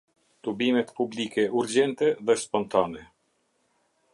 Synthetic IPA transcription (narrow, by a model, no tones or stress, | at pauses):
t̪ubimɛt̪publikɛuɾd͡ʑɛnt̪ɛðɛspɔnt̪anɛ